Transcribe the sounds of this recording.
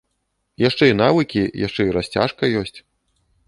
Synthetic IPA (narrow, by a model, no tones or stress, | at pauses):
jaʂt͡ʂɛin̪avɨkʲijaʂt͡ʂɛiɾasʲt͡sʲa̰ʂkɐjɔsʲt͡sʲ